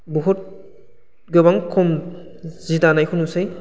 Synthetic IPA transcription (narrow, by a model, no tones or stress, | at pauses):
bɔɦut̚ | ɡɯbaŋkʰɔm | zidanajhunusɯj